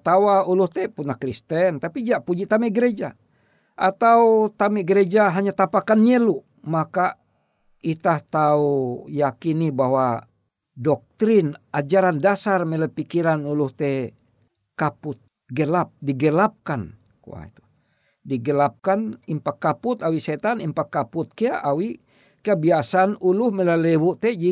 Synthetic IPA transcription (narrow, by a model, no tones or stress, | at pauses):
t̪awauluht̪ɛpunakɾist̪ɛnt̪apid͡ʒaʔpud͡ʒit̪amɛʔɡɾed͡ʒa | ʔat̪aut̪amɛɡəɾed͡ʒaɦaɲat̪apakanɲɛluʔ | maka | it̪aht̪aujakinibaɦwa | dɔk̚t̪ɾinad͡ʒaɾandasarmɛləpikiɾanuluht̪ɛ | kaput̪̚ | ɡəlap̚diɡəlap̚kan | kṵa̰ḭt̪u̥ | diɡəlap̚kanimpakːaput̪awisɛt̪animpakːaput̪̚keaʔawi | kabiasanuluhmɛlalɛwuʔt̪ɛd͡ʒi